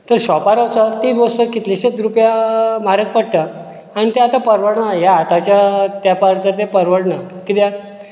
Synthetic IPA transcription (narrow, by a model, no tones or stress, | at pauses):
t̪əɾɕɔpaɾəwt͡sat̪id̪ʋəstəɾkit̪liɕet̪ɾupjamaɾək̚pəɽ̚ʈ̪ə | añit̪eat̪apəɾʋəɽɳəjaːt̪at͡ɕjat̪japaɾt̪ət̪epəɾʋəɽɳəkit̪ja